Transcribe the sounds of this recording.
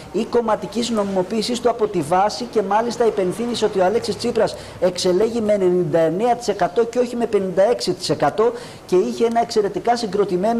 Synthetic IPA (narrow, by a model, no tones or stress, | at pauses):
iko̞mɐt̪icizno̞mimo̞piːsist̪uɐpo̞t̪ivɐsice̞mɐlist̪ɐipe̞nθiniseo̞t̪ioɐleksist͡sipɾɐs | e̞kse̞le̞ʝimeːne̞nind̪ɐe̞ne̞ɐt̪i̥se̞kɐt̪o̞ceo̞çime̞pe̞nind̪ɐe̞ksit̪i̥se̞kɐt̪o̞ | ce̞içe̞enɐe̞kse̞ɾe̞t̪ikɐsiŋɡɾo̞t̪ime̞n